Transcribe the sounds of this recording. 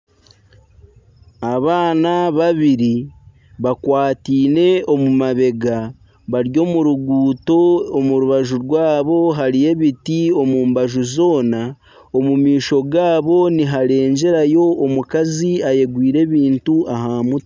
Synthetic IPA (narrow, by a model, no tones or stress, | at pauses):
aβaːnaβaβiɾi | βakwaːtiːne̞o̞mumaβe̞ɡa | βaɾjo̞ːmuɾuɡuːto̞ːmuɾuβaʒuɾɡwaːβo̞ɦaɾije̞βitio̞muːmbaʒuzo̞ːna | omumiːʃo̞ɡaːβo̞niɦaɾe̞ːɲɟe̞ɾajo̞ːmukaziaje̞ɡwiːɾe̞ːβiːntuaɦamut